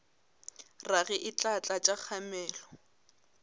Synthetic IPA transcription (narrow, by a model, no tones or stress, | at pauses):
raɣɛʔɪt͡ɬʼat͡ɬʼat͡ʃʼak͡xʰamɛːlɔ